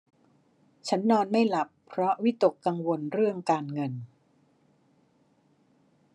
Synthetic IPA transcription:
t͡ɕʰa˦˥nːɔː˧nma˥˩jla˨˩pʰːɾɔ˦˥wi˦˥t̪o˨˩kːa˧ŋwo˧nɾɯ˥˩əŋkaː˧nŋɤ˧n

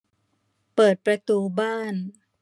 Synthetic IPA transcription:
pɤː˨˩t̪̚pɾa˧t̪uː˧baː˥˩n

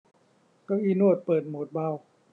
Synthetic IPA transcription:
ka˧˩wʔiː˧nu˥˩ət̪̚pɤː˨˩t̪̚moː˨˦t̪̚ba˧˩˨w

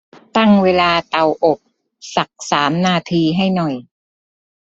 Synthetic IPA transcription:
t̪a˥˩ŋweː˧laː˧t̪a˨˩wʔo˨˩p̚ | sa˨˩k̚saː˩˦mnaː˧t̪ʰiː˧ɦa˥˩jnɔ˨˩j

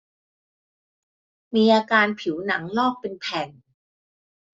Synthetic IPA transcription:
miː˧ʔaː˧kaː˧npʰi˩˦wna˩˦ŋlɔː˥˩k̚pe˧npʰɛ˨˩n

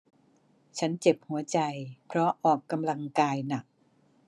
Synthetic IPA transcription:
t͡ɕʰa˦˥nt͡ɕe˨˩p̚hu˩˦ɐt͡ɕa˧jpʰɾɔ˦˥ʔɔː˨˩kːa˧mla˧ŋkaː˧jna˨˩k̚

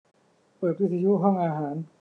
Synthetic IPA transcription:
pɤː˨˩t̪̚wi˥t̪̚sʰa˧ju˦˥ʔɦɔ˥˩ŋʔaː˧ɦaː˩˦n

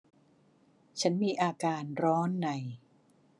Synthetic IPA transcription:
t͡ɕʰa˦˥nmiː˧ʔaː˧kaː˧nɾɔː˦˥nːa˨˩j

